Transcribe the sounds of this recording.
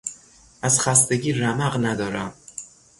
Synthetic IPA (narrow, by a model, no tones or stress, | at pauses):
ʔæzxæst̪e̞ɟiːɾæmæɢnæd̪ɒːɾæm